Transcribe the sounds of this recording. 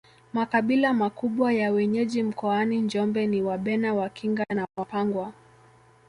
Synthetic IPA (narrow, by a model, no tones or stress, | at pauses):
makaɓilamakuɓwajawɛɲɛʄim̩kɔaniɲd͡ʒɔmbɛniwaɓɛnawakʰiŋɡanawapaŋɡwa